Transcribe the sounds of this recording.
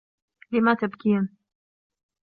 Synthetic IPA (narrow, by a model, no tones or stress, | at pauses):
lɪmat̪abkiːn